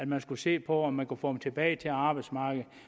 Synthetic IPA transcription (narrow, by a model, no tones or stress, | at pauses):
æd̥mænsɡ̥use̝̰ːpʰɒ̽ɒmːænkufɔːdem̩t͡sʰe̝b̥ɛːɪt͡sʰe̝lɑ̈ːb̥ɑɪ̥smɑ̈ːɡ̥ð̩ˠ